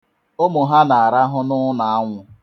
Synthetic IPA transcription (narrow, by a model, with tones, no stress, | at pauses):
o˦mʊ˨ɦa˦na˨a˨ɾa˦ɦʊ˦nʊ˦na˨a˦ŋʷʊ˦